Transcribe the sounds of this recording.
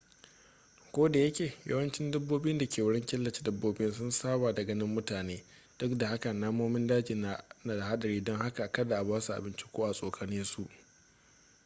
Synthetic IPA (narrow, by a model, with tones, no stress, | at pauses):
kʷoː˦da˨jɐ˦kʲeː˨jɐ̰˦wɐ˦nt͡ʃɪ˦ndɐ˦bːoː˦bɪ˦nda˨kʲeː˨wʊ˦ɽɪ˦ŋkʲɪ˦lːɐ˨t͡ʃe̥˦dɐ˦bːoː˦bɪ˦nsʊ˦nsaː˦baː˨dɐ˨ɡɐ˦nɪ˦mːʊ˦taː˨neː˦ | d̥ʊ˦kda˨ha˦ka˨naː˦moː˦mɪ˦ndaː˦d͡ʒi˨n˨na˨da˨ha˦ɗɐ˨ɽiː˦dɔ˦ŋha˦ka˨ʔkɐ˦da˨ʔa˨baː˦su˨ʔa̰˨bɪ˦nt͡ʃi̥˦kʷoː˦ʔa˨sʼoː˨kʰaː˦nɪ˦su˨ʔ